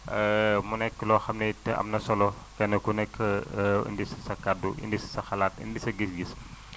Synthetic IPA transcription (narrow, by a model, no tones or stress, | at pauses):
munekːloxɐmneta̰mnɐsɐlo | kɐnɐkunekɨ̰ndisɐ̥sɐkːaduɨ̰ndisɐ̥sɐxɐlat̪ɨ̰ndisɐɡisɡis